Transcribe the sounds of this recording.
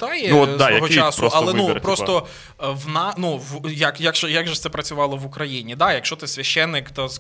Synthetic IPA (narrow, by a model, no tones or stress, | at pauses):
d̪ɑjɛɔd̪ajɐɦɔt͡ʃɑsɔɐlˠɛupɾɔstt̪ɔ | ʋnanuʋjɐkjakʒɛjaɡʒɛt̪sɛpɾɐt͡sʲʊʋɑlˠɔʋʊkɾɐjinʲid̪ɑjɐkʃt͡ʃɔt̪ɪsʲʋʲɐʃt͡ʃːɛnːɪkt̪ɐs